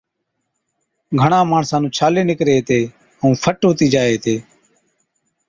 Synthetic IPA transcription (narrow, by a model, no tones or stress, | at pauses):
ɡʱəɳãːmaːɳsãːnũːt͡ʃʰaːleːnɪkɾeːɦt̪eː | ɦũːpʰəʈɦʊːt̪iːd͡ʒaːeːt̪eː